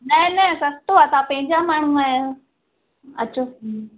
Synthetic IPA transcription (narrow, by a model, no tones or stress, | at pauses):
nɐ̃nɛ̃sɐst̪oat̪ãːpɐ̃ɦɪ̃ɲd͡ʑamaːɳ̤̃ũae | ɐːt͡ɕʰoː